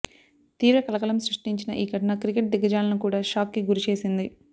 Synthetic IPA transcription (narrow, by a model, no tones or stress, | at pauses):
t̪iːɾɐkɐlɐkɐlɐmsɾuʂʈiɲt͡ʃinɐʔiːkɐʈɐnɐkɾikeʈ̚d̪iɡɐd͡ʒaːlɐnukuːɽaːʃaːkːiɡuɾit͡ʃe̞ːsind̪i